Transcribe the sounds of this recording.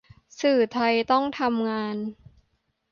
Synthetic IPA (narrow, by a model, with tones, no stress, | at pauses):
sɯː˨˩t̪ʰa˧jt̪ɔ˥˩ŋt̪ʰa˧mŋaː˧n